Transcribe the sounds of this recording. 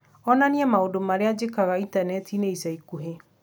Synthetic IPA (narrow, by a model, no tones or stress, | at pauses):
ɔnaneɛmaodomaɾead͡ʑekaɣaintanɛtʰineisaikuɦe